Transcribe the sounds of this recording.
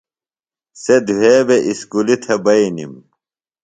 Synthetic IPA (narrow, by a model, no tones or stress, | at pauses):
sed̪uɦeːbeʔiskulit̪ʰebɐinḭm